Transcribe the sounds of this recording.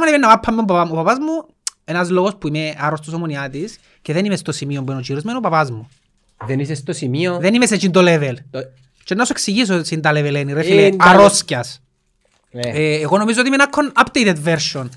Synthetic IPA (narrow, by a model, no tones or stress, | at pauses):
monemenːɐpapʰːɐmːembaaopapazmu | enɐzlo̞ɣospuimeaɾost̪osomoniat̪is | ceðenimest̪osimiombuenot͡ʃiɾozmenupapazmu | ðenisest̪osimioðenimes̬et͡ʃind̪olevel | t͡ʃenːɐsueksiʝis̬osind̪ɐleveleniɾefieaɾo̞scɐs | eːɣo̞nomizoimenakʰːonapd̪ejt̪ed̪veɾʃon